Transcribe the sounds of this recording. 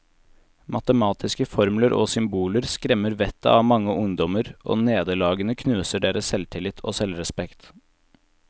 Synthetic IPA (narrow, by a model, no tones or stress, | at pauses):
mʔɑt̪əmɑːt̪ʰɪskəfɔɾmləɾʔo̰ːsʏmbuːləɾskɾɛmːəɾʋɛt̪ʰːə̰ɑʋmɑŋːəʔʊŋd̪ɔməɾʔo̰ːneːd̪əlɑːɡənəkʰnʉːsəɖeːɾəssɛlt̪ʰɪlɪt̪ʰo̰ːsɛlɾɛspɛkt̪